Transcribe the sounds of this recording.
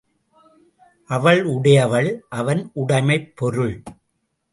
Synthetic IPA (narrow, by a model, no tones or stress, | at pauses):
ʔɐʋɐɭʊɽɐjɐʋɐɭʔɐʋɐnʔʊɽɐɪmɐɪpːɔɾɯɭ